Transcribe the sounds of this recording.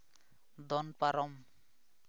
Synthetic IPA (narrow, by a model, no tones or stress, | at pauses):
d̪ɔnpaɾʌm